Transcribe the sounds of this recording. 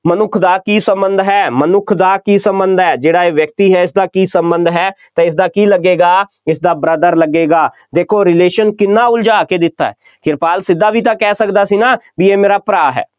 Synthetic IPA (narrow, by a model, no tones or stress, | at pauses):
mənʊkʰd̪aːkiːsəmbənd̪ɦɛːmənʊkʰd̪aːkiːsə̃mbənd̪ɦɛːd͡ʒeːɽaːeːʋjək̚t̪iːɦɛːɪs̬d̪aːkiːsəmbə̃nd̪ɦɛː | t̪ẽːɪs̬d̪aːkiːləɡːeːɡaː | ɪsd̪aːbɾəd̪əɾləɡːeːɡaː | d̪eːkʰoːɾɪleːʃənkɪnːaːʊld͡ʒaːkeːd̪ɪt̪ːa̰ːɦɛ̰ː | kɪɾpaːlsɪd̪ːaːbʱiːt̪̬ãːkɛːsəkd̪aːsiːnaːbieːmeːɾaːpɾaːɦɛ̰ː